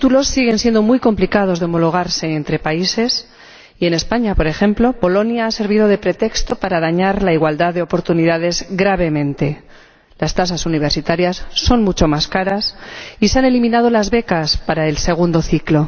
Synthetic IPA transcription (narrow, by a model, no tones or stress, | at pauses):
it̪ulo̞sːiɣ̞e̞nsje̞nd̪o̞mujko̞mplikað̞o̞zðeo̞mo̞lo̞ɣ̞aɾse̞ːnt̪ɾe̞paise̞s | ie̞ne̞spaɲapo̞ɾe̞xe̞mplo̞po̞lo̞njaase̞ɾβ̞iðo̞ð̞e̞pɾe̞t̪e̞kst̪o̞paɾað̞aɲaɾlaiɣwald̪aððe̞o̞po̞ɾt̪uniðaðe̞zɡɾaβe̞mẽ̞nt̪e̞ | last̪as̬asuniβ̞e̞ɾsit̪aɾjasːo̞nmut͡ʃo̞maskaɾasiseanelimĩnað̞o̞lazβe̞kaspaɾae̞lse̞ɣ̞und̪o̞θiklo̞